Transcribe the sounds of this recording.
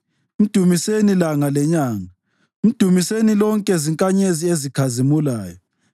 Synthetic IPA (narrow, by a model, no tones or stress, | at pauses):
im̩d̥ʱumisenilaŋalɛɲaːŋa | im̩d̥ʱumisenilɔŋkʼɛziŋkʼaɲeziezikʰazimulaːjɔ